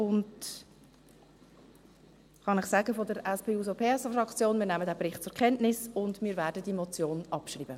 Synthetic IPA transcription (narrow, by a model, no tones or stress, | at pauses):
ʊnd | χɑnɪχsæɡəfodəɾɛspʰeːuːzopʰeːɛsfrɑkt͡sjoːnmiːɾnæmədæːbɾɪχt̚t͡sʊɾkʰɛntnɪsʊndmɪːɾvæːɾdədimot͡sjoːnɑpʃriːbə